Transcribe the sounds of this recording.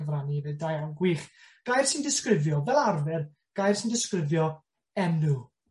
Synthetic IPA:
əvranivɨdajawɡwiːχɡ̥ajrsɪndɪskrɪvjɔvɛlˠarvɛr | ɡ̥ajrsindɪskrɪvjɔ | ɛmu

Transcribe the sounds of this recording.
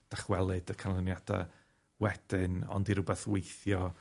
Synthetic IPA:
d̥aχwɛlˠɨdəkʰanlˠənjad̥a̰ | wɛd̥ɪnɔ̰ndiɾʊbɛθwejθjɔ

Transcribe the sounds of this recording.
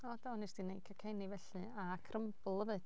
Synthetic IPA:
ɔdanɨsd̥inejkʰakʰejnivɛɬɨ | akʰrəmb̥lˠəvɨd̥

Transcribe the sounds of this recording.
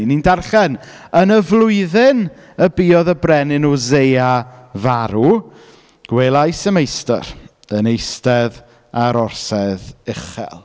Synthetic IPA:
nindarχɛnənəvlˠʊɨðɪn | əbiːɔðəbrɛnɪnuzejavaɾu | ɡ̥weːlˠajsəmejstə̰ɾ | ənejstɛð | aɾɔrsɛðɪχɛ̰lˠ

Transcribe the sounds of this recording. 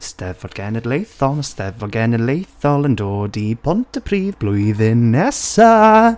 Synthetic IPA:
stɛvɔd̚ɡ̥ɛnədlejθɔnəstɛvvɔd̚ɡɛnədlejθɔlˠəndoːdipʰɔntʰəpʰɾiːvblujðɪnːɛsa

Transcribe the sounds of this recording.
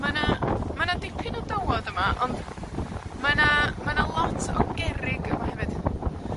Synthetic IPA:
manamanadɪpʰɪnɔdəwɔdəmaʔɔnd | manamanalˠɔtʰɔ̰ɡɛɾɪɡəmahɛvɨd̥

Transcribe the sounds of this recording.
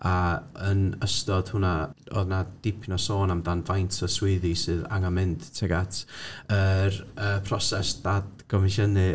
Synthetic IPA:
aənəstɔd̥hʊnaɔ̰ðnad̥ɪpʰnɔsoːnamdanvajntʰɔswɪðisɨða̰ŋamɪndtʰɛɡatʰəɾəːpʰrɔsɛsd̥adɡ̥ɔmɪʃənɨ

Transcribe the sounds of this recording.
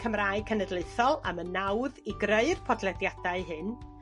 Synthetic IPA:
kʰəmraːɨkʰənədlɨɨθɔlˠa̰mənːawðiɡrəɨrpʰɔdlˠɛdjadaɨɦɨn

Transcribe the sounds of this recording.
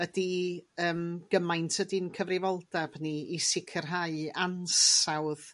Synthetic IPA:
ədiəːmɡ̥əmajntʰədinkʰəvrɪvɔlˠdabniisɪkʰərɦaɨansawð

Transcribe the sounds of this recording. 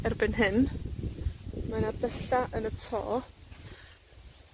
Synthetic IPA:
ɛrbɪnɦɪn | manadəɬaʔənətʰɔ̰ː

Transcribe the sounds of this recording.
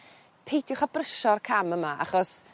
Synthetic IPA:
pʰejdʰjʊwχabrəʃɔrkʰaməmaʔa̰χɔs

